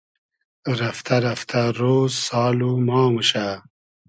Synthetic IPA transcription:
ɾɐft̪ʰɐɾɐft̪ʰɐɾoːzsɑːlumɑːmuɕa

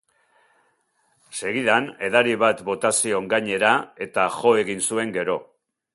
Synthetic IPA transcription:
se̞ɣiðane̞ðaɾiβat̪bo̞t̪asio̞ŋɡaɲe̞ɾae̞t̪aʝo̞e̞ɣinsue̞ŋɡe̞ɾo̞

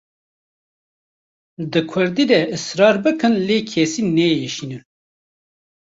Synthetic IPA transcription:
d̪ɨkʰʊɾd̪iːd̪ɛʔɨsɾɑːɾbɨkɨnleːkʰesiːnɛjɛʃiːnɨn

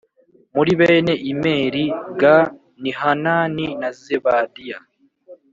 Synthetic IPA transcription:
muɾiβeːne̞ʔime̞ːɾiɡa | nihanaːninazeβadija

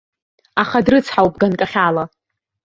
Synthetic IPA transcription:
aχadrɨt͡sʰħawpʼɡankʼaχʲala

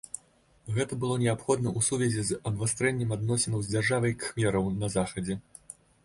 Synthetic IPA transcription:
ɣɛt̪ɐbɨlˠɔnʲɛapxɔd̪nɐʔusuvʲɛzʲɛzɐd̪vast̪ɾɛnʲːɛmad̪nɔsʲɛnɐwzʲd͡zʲarʐavɐjkxmʲɛɾɐwnɐzaxɐd͡zʲɛ

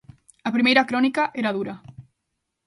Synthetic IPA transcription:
ɐpɾimejɾakɾonikaʔeɾaðuɾɐ

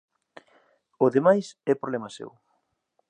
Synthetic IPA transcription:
oðemajsɛpɾolɛmɐsḛw

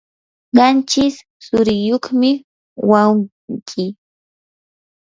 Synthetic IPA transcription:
ɢɑnt͡ʃɪsː | ʊɾɪjoχmɪ | waw | ŋkʰɪ

